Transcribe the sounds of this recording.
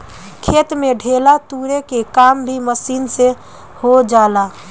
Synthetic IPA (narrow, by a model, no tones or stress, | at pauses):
kʰeːt̪meɖʱeːlat̪uɾekekaːmbʱiməsiːnse | hod͡ʒaːla